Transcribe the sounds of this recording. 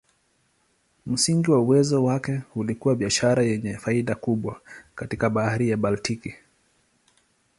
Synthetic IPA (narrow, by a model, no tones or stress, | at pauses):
m̩siŋɡiwauwɛzɔwakɛhulikuwaɓiaʃaɾajɛɲɛfaiɗakuɓwakatikaɓahaɾijaɓaltiki